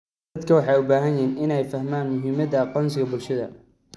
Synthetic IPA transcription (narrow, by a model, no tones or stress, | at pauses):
ɐd̪kʰɐwɑħɑjʊbaːɦɐnjɪɦiːnɪnɛjfɐhmaːnmʊɦɪmɐðɐqɔnsɪɣɐbʊlʃɐðɐ̰